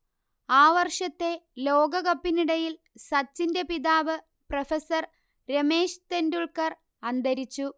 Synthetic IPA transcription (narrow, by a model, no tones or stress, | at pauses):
aːʋɐrʂɐt̪ːe̞loːɡɐɣɐpːiniɽɐjil | sɐt͡ɕːinde̞piðaːʋɨ | prɐfesɐr | ɾe̞me̞ːʂt̪e̞nduɭkɐr | ɐnd̪ɐɾit͡ɕːu